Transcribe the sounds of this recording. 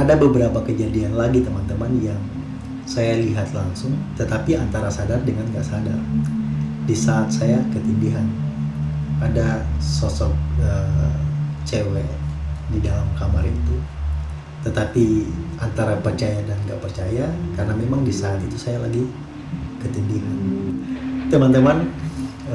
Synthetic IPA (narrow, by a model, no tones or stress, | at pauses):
adabəbəɾapakəd͡ʒadianlaɡit̪əmant̪əmanjaŋ | sajaliɦat̪laŋsʊŋt̪ət̪apiant̪aɾasadardəŋanɡa̰ʔsadar | disaːt̪̚sajakət̪ibiɦan | adasɔsɔk̚ə | t͡ʃewedidalamkamaɾit̪u | t̪ət̪apiʔant̪aɾapərt͡ʃajadanŋɡa̰ʔpərt͡ʃajakarnamemaŋdisaːt̪it̪usajalaɡi | kət̪indiɦan | t̪əmant̪əman